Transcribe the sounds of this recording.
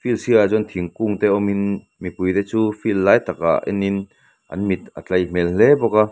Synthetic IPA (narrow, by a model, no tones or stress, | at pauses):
filsiazɔnt̪ʰiŋkuŋt̪eːʔɔmin | mipujt̪ɛːt͡suːfilːaːjt̪ak̚a̰ʔʔḭnin | ʔɐ̰nmit̪̚ʔə̰t͡ɬɐjm̥ɛllebɔka